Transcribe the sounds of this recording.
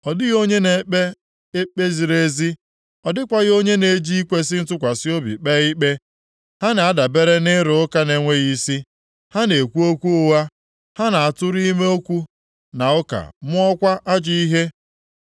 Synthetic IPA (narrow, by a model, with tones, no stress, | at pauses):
ɔ˨dɪ˦ɣo˦ɲe˦ne˨˦k͡pe˦ | e˦k͡pe˦zi˨ɾe˦zi˦ | ɔ˨dɪ˦kʷa˨ɣɪ˦o˦ɲe˦ne˨˦d͡ʒi˦i˦kʷe˦s̬ɪ˦n̩˦tʊ˦kʷa˨si˦o˦bḭ˨k͡pe˦i˦k͡pe˦ | ha˦na˨a˦da˨be˦ɾe˦nɪ˦ɾʊ˨ʊ˦ka˦ne˨ŋʷe˦ɣi˨si˦ | ha˦ne˨kʷu˦o˦kʷu˦ʊ˨wa˦ | ha˦na˨a˨tʊ˦ɾi˦me˦o˦kʷu˦ | na˨ʊ˦ka̰˨˦mʊ˦ɔ˦kʷa˦ʔa˦d͡ʒi˦i˦ɦe˦